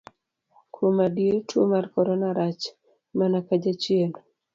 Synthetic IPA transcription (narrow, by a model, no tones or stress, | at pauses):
kʰumadietʰuomaɾkɔɾɔnaɾat͡ʃ | manakad͡ʒat͡ʃien